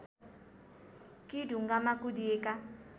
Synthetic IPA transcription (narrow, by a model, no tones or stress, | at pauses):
kiduŋɡamakud̪ieka